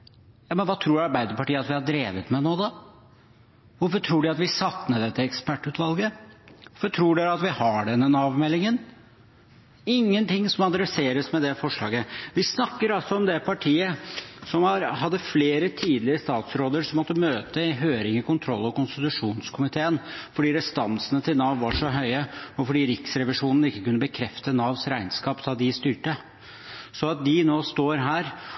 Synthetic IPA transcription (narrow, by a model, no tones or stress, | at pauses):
jɑːmənʋɑːt̪ʰɾuːɾɑɾbæɪd̪əpɑʈiːəɑt̪ʋɪhɑɖɾeːʋət̪mɛnoːd̪ɑ | ʋʊɾfɔʈʰɾuːɖʉɑt̪ʋɪsɑt̪ːnɛd̪ɛt̪ːəɛkspæʈːʉːt̪ʋɑlɡəʋʊɾfɔʈʰɾuːɖɛɑt̪ʋɪhɑɖɛnːənɑːʋmɛlɪŋən | ɪŋːənt̪ʰɪŋːsɔmɑd̪ɾɛseːɾəsmɛd̪ɛfɔʂɭɑ̰ːɡəʋɪsnɑkːəɾɑlsɔɔmd̪ɛpʰɑʈʰiːəsɔmhɑɾɦɑd̪ːəfleːɾət̪ʰiːd̪lɪɾəst̪ɑːt̪sɾoːd̪əɾʂɔmɔt̪ːəmøːt̪əɦøːɾɪŋəkʊnt̪ʰɾɔlːɔkʊnst̪ɪt̪ʉʂuːnskʰʊmɪt̪ʰeːənfɔɖiːɾɛst̪ɑnsənət̪ʰɪlnɑːʋʋɑʂɔɦœʏəɔfɔɖiːɾɪksɾɛʋɪʂuːnn̩ɪkːəkʉnːəbəkʰɾɛft̪ənɑːʋsɾæɪnskɑːpt̪ʰɑːd̪ɪst̪yːʈə | sɔɑt̪̚d̪ɪnoːst̪oːɾɦæːɾ